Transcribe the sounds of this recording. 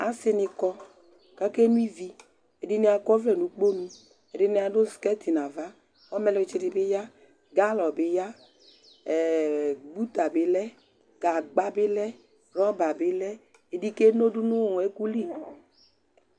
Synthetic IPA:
a˨sɪ˧nɪ˧kɔ˧ | ka˦ke˦nũ˦i˦vi˧ | e˨di˧ni˦a˧kɔ˦vlɛ˦˨nũ˨k͡po˦nũ˧ | e˨di˧nɪ˧˦a˨do˦skɛ˦ti˨na˨va˦ | ɔ˦mɛ˧lɔ˦˧t͡ʃi˧di˧˨bɪ˦ja˦ | ɡa˦lɔ˨bɪ˦ja˦˨ | ɡ͡bu˦t̪a˨bɪ˨˦lɛ˦ | ɡ̥a˨ɡ͡ba˦bɪ˦lɛ˦ | ɾɔ˦ba˨bɪ˨lɛ˦ | e˨di˧ke˦no˦du˦nu˦˨ɛ˨˦ku˦li˦˨

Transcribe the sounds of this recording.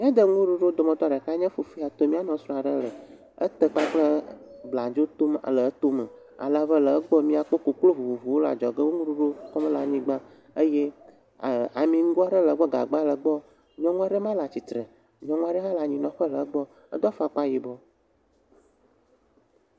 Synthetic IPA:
mĩ˦a˦d̪ə˦ŋũ˦ɖu˦ɖo˦d̪o˨mɔ̃˦t̪ɔ˦˨ɖə˨ka˦ɲɛ̃˦fu˨fi˦a˨t̪o˦mĩ˦a˦nɔ̃˨sɾɔ̃˦a˨ɖə˦lə˨ | ə̰˦t̪ə˦k͡pa˦k͡plə˦bla˨d͡ʒo˦t̪o˦m˨a˨lə˨˦t̪o˦mə˨ | a̰˨la˨və˦lə˨ə˦ɡ͡bɔ˦mĩ˦a˨k͡po˦ko˨klo˦vu˨vu˨vu˨wo˦la̰˨d͡ʒɔ˨ɡə˦wo˦ŋũ˦ɖu˦ɖo˦kɔ˦m˦la˨ɲĩ˦ɡ͡ba˦ | ə˦je˦˨ | a˨mĩ˨ŋ̩˦ɡu˦a˦ɖə˦lə˨˦ɡ͡bɔ˦ɡa̰˨ɡ͡ba˦lə˨ɡ͡bɔ˦ | ɲɔ̃˦ŋũ˦a˦ɖə˦mã˦la˨t͡ɕi˨t̪ɾə˨ | ɲɔ̃˦ŋũ˦a˦ɖə˦ɦã˦la˨ɲĩ˨nɔ̃˨ɸə˦lə˨ə˦ɡ͡bɔ˦ | ə̰˦d̪ɔ˦fa˨k͡pa˦ji˨bɔ˦

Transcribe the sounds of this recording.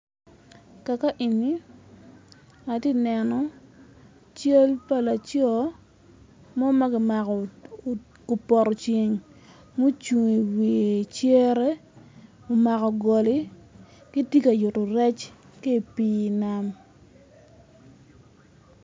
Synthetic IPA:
ka˨ka˦ʔi˨ni˦ | a˨te˦nɛ˨nɔ˨ | t͡ʃe˦lpa˦la˨t͡ʃɔ˦ | mɔ˦ma˦ɡɪ˦ma˨kɔ˨ | ko˨pɔ˨ɾɔ˨t͡ʃe˨ŋ | mo˦t͡ʃu˨ŋi˨wi˨e˨t͡ʃje˦ɾɛ˦ | o˨ma˨kɔ˨ɡɔ˨li˦ | ki˦ti˦ka˨jʊ˨to˨ɾɛ˦t͡ʃ | ke˦˨piː˦˨na˦m

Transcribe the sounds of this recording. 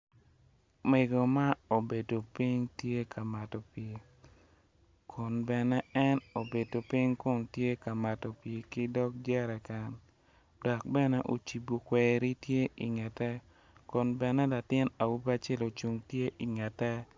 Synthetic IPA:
me˨ɡo˨ma˦o˨be˨do˨pi˦ŋtje˦kʰa˨ma˨tɔ˨pje˨ | kʰɔ˨nbɛ˨nɛ˦ɛ˦no˨be˨do˨pi˦ŋko˦ntje˦ka˨ma˨tɔ˨pje˨kɪ˦dɔ˦k̚d͡ʒɛ˦ɾɛ˨ka˦n | dɔ˨k̚bɛ˦nɛ˦ʔo̰˨t͡ʃi˨bo˨kwɛ˨ɾi˦tje˦ʔi˨ŋɛ˨tɛ˦ | kɔ˨nbɛ˨nɛ˦la˨tɪ˦na˨wu˦ba˦t͡ʃe˦lo˨t͡ʃu˨ŋtje˦ʔi˨ŋɛ˨tɛ˦

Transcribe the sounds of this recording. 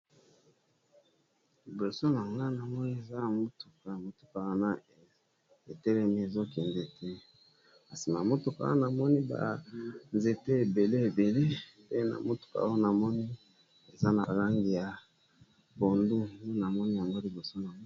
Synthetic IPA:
li˨bo˨so˦na˨ŋɡa˦na˨mɔ˦ni˦e˨za˦˨mo˦tu̥˨ka˨mo˨tu̥˨ka˨wa˦na˦ | e˨tɛ˦lɛ˦mi˦e˨zo˦ke˨nde˦tʰɛ˦ | ka˨si˨na˨mo˦tu˨ka̰˨˦o̰˦na˨mɔ˦ni˦ba̰˨nze˨te˦e˨be˨le˦e˨be˨le˦ | pe˦na̰˨mo˦tu̥˨ka̰˨˦o˦na˨mɔ˦ni˦ | e˨za˦na˨la˦ŋɡi˨ja˨ | bo˨ndu˦o˦na˨mɔ˦ni˦ja˨ŋɡo˦li˨bo˨so˦na˨ŋ˦

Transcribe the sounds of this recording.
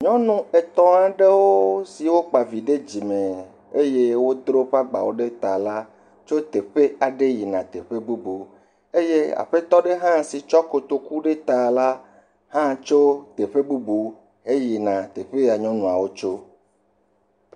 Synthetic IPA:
ɲɔ̃˦nũ˦e˨t̪ɔ̃˦a˨ɖe˦wo˦si˨wo˦k͡pa˨vi˨ɖe˦d͡ʑi˨me˨ | e˦je˦wo˦d̪ɾo˦ɸa˦ɡ͡ba̰˨wo˦ɖe˦t̪a˨la˦ | t͡ʃo˦t̪e˨ɸe˦a˨ɖe˦ji˨nã˨t̪e˨ɸe˦bu˦bu˨ | e˦je˦a̰˨ɸe˦t̪ɔ˦ɖe˦ɦã˦si˨t͡ʃɔ˦ko˨t̪o˨ku˦ɖe˦t̪a˨la˦ | hã˦t͡ʃo˦t̪e˨ɸe˦bu˦bu˨˦ | ɦe˦ji˨nã˨t̪e˨ɸe˦˨a˨ɲɔ̃˦nũ˨a˨wo˦t͡ʃo˦

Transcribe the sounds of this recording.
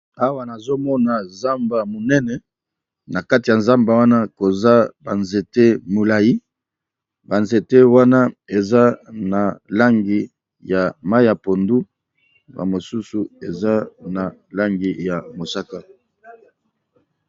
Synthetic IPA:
a˦wa˦na˨zo˦mɔ˦na˨nza˦mba˨mo˨nɛ˦nɛ˨ | na˨ka˦ti˨ja˨nza˦mba˨wa˦na˦ko˨za˦ba˨nze˨te˦mo˨la˨ji˦ | ba˨nze˨te˦wa˦na˦e˨za˦na˨la˦ŋɡi˨ | ja˨ma˦i˦ja˨po˨ndu˦ | ba̰˨mo˨su˦su˨e˨za˦na˨la˦ŋɡi˨ja˨mo˨sa˦ka˦

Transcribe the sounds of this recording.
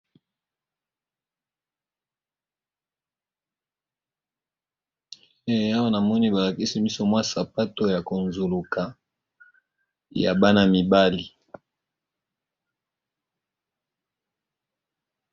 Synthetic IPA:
e˦˨a˦wa˦na˨mɔ˦ni˦ba˨la˨ki˦si˦bi˦so˦mwa˦sa˨pa˦to˦ja˨ko˨nzu˨lu˨ka˨ | ja̰˨ba˦na˦mi˨ba˦li˨

